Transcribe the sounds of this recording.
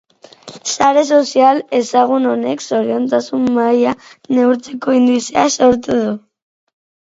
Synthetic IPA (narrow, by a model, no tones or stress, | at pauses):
saɾes̬osjalesaɣunoneksoɾjent̪asumːajaneuɾt͡sekoind̪wisea̰sawɾt̪eðu